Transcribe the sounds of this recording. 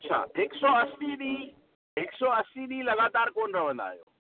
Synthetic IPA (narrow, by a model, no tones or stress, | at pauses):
ɐtːt͡ʃʰa̰ːɦɪksɔːɐsiɗĩ | ɦɪksɔːɐsiɗĩːlɐɣaːt̪aːɾkoːnɾɐʋə̃nd̪a̰ːijo̰ː